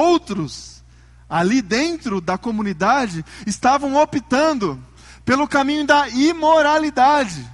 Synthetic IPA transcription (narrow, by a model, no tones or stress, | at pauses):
owt̪ɾʊs | alid̪ẽnt̪ɾʊd̪ɐkomũnid̪ad͡ʒɪɪst̪avɐ̃w̃opit̪ɐ̃nd̪ʊ | pelʊkamĩɲʊd̪ɐimoɾalid̪ad͡ʒɪ